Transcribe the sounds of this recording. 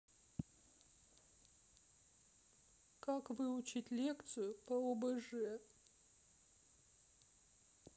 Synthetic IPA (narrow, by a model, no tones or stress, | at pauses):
kakvɨut͡ɕitʲlʲekt̪sɨjʊpɐɔbɐʐɨɛ